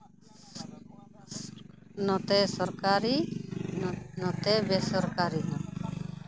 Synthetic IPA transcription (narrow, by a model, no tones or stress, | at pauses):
nɔt̪ɛsɔɾkaɾi | nɔt̪ɛbesɔɾkaɾinɔ